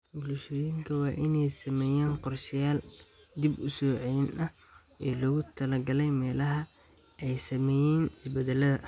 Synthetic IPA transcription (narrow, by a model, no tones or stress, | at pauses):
bʊlʃɔːjɪŋkʰɐwɑːʔɪnɛjsɐmɛːjaːnqɔrʃɪjaːl | d̪ibʊsɔːʕɛjɪnɐ | ʔɛːlɔɣʊt̪ʰɐlɐɡɐlɛjmɛːlɐɦɐ | ʔɛjsɐmɛːjɛːnɪsbɛd̪ɛlɐðɐ